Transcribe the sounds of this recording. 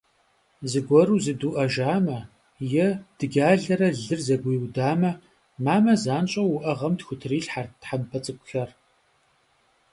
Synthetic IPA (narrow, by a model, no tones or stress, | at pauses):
zɨɡʷɔɾuːzɨduːʔɐʒaːmɐ | jɛd̥ɨɡʲaːɮɐɾɐɮɨrzɐɡʷiwdaːmɐ | maːmɐzaːnt͡ʃʼɐwʊʔɐʁɐmtxʷʊtʰriːɬħartħampʰɐt͡sʼɨkʷʼxɐr